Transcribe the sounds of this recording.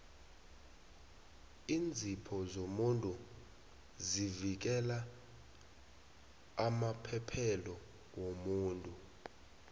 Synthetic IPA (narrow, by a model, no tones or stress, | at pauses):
ind͡zʱipʰɔzomuntʼu | zivik̬ɛla | mapʰɛpʰɛlɔ | womuːntʼu